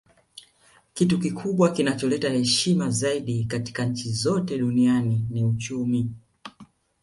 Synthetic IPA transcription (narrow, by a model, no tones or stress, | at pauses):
kitukikʰuɓwakinat͡ʃɔlɛtahɛʃimazaiɗikati̥kaɲ̩t͡ʃizɔtɛɗunianiniut͡ʃumi